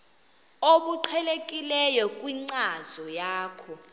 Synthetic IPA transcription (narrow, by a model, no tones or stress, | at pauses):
oɓuǃʰɛlekʼilɛjɔkʼwiŋ͡ǀazɔjaːkʰɔ